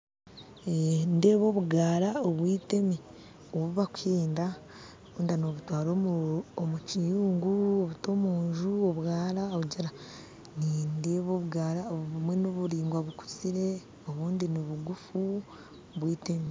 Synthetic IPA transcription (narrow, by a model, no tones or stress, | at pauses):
ende̞ːβo̞ːβuɡaːɾaoβwiːte̞mi | oβuβakwiːnda | oβuːndano̞βutwaːɾo̞ːmuomucijuːŋɡuoβuto̞ːmuːɲʒuoβwaːɾaouɟiɾa | nindeːβo̞ːβuɡaːɾaoβuβumwe̞noβuɾiːŋɡwaβuku̥t͡siɾe̞ | oβuːndiniβuɡufu | βwiːtemi